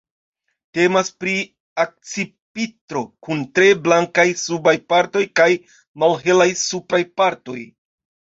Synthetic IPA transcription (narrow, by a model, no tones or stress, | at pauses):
te̞maspɾi | ak̚t͡sipitɾo̞kuntɾe̞blaŋkajsubajpaɾto̞jkaj | malɦe̞lajsupɾajpaɾto̞j